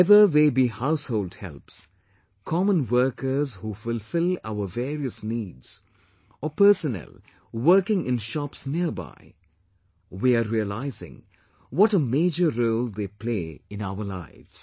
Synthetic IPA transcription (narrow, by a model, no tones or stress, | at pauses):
ɛvəðeːbiːhaʊshoːldhɛ̰lps | kʰɔmə̃nwɜ˞kə˞zhufʊlfɪla̰ʊəvɛːɹiəsniːdz̥ | ɔpəːsənɛ̰l | wəːkɪ̃ŋɪ̃nʃɑpsniəba̰ɪ | wiaɾiəla̰ɪzɪ̰̃ŋ | wɔʈəmeːd͡ʒəɾoːlˠd̪eːpʰl̥eːɪ̃naʊəla̰ɪvz̥